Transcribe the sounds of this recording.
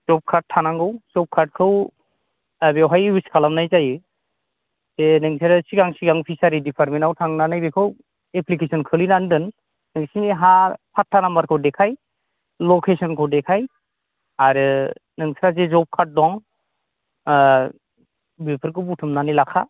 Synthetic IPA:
zɔp̚kʰaɾt̚tʰːanaŋɡɯwz̥ɔp̚kʰaɾt̚kʰɯw | abewɦajwiskʰalamnajzajɯ | z̥enɯŋsʰaɾasiɡaŋsiɡaŋpʰisaɾidipʰaɾmenawtʰaŋnanajbekʰɯw | epʰlikʰesɔnkʰɯlinandɯn | nɯŋsiniɦapʰatʰːanambaɾkʰɯwdekʰaj | lɔkʰesɔnkʰɯwdekʰaj | aɾɯnɯŋsʰɾazezɔp̚kʰat̚dɔŋ | bepʰɯɾkʰɯwbutʰɯmnanilakʰa

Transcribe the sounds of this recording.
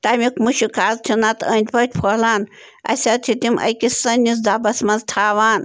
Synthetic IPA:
t̪ɐmikmuʃikʰaːzt̪ʰinɐt̪ənʲt̪ʲpɐt̪̚ʲpʰoːlaːn | ɐ̰sʲɐt̪ʰit̪imʔɐ̰jkʲisɐnʲːis̬d̪aːbɐsmɐnzt̪ʰaːʋaːn

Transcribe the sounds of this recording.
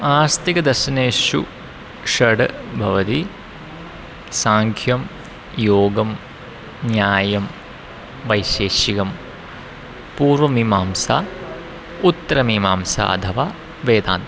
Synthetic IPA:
aːɾst̪ikɐd̪ɐɾʃɐneːʃṵ | ʃɐɖbʱɐʋɐt̪i | saːŋkʰjɐm | joːɡɐm | njaːjɐm | ʋɐjʃeːʃikɐm | puːɾʋɐmimaːmsa̰ː | ut̪ːɐɾɐmimaːmsa̰ːɐ̰t̪ʰɐʋaː | ʋeːd̪a̰ːnt̪

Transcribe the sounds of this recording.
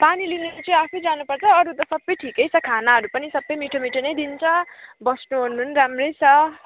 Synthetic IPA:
panilineɾot͡sʌĩapʰejd͡zanupʌrt͡sʰʌːɾut̪ʌsʌbːʌjʈʰikʌjt͡sʰʌkʰanaɦʌɾupʌnisʌbːʌjmiʈʰomiʈʰonʌjd̪int͡sʰʌbʌsnuɦonːuɦnɾamrʌjt͡sʰʌ

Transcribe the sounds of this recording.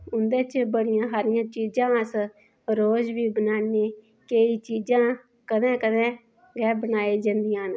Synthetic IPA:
ʊnd̪eːt͡ʃbəɽɪjãːɦaːɾɪjãːt͡ʃiːd͡ʒãːs | ɾoːd͡ʒʋiːbənaːneː | keiːt͡ʃiːd͡ʒãː | kəd̪ɛ̃ːkəd̪ɛ̃ː | ɡɛːbənaːeːd͡ʒãːnd̪ɪjãːn

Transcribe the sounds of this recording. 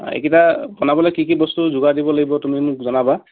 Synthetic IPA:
ḛkitapɔnabɔlɔjkikibɔstuzʊɡadibɔlaɡibɔtumimʊkzɔnaba

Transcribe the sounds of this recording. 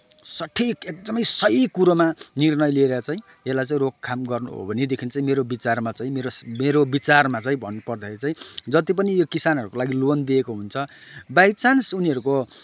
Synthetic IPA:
sʌʈʰikek̚d̪ʌmʌjsʌikuɾomanirnʌjlieɾjat͡saĩ | elajt͡saĩrokkʰːamɡʌrnṵɦo̰bʱʌned̪ekʰint͡saĩmeɾobit͡sarmat͡saĩmeɾosmeɾobit͡sarmat͡saĩbʱʌnːupʌrd̪ʌeɾit͡saĩd͡zʌt̪ip̬ʌnijokisanɦʌɾukolaɡilond̪iekoɦunt͡sʰʌ | bajt͡sansuniɦʌɾuko

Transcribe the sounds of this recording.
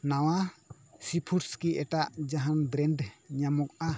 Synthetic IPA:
nawa | sipʰuɾskiɛʈaʔd͡ʒaɦanbɾɛnɖɲamɔk̚a

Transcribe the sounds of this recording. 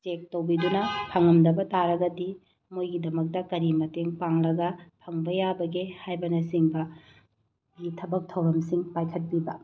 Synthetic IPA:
t͡ʃek̚tɐwbidunɐpʰɐŋɐmdɐbɐtaɾɐɡɐdi | mojɡidɐmɐk̚tɐkɐɾimɐteŋpaŋɾɐɡɐpʰɐŋbɐjabɐɡehajbɐnɐsiŋbɐ | ɡitʰɐbɐk̚tʰɐwɾɐmsiŋpajkʰɐt̚pibɐ

